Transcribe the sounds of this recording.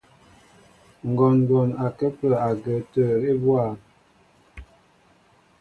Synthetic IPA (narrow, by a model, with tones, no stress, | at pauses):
ŋ̩˨ɡɔ˨n˨dɔ˨na˨kə˦pə˨a˨ɡə˨tə˨ɾe˦bwa˦˨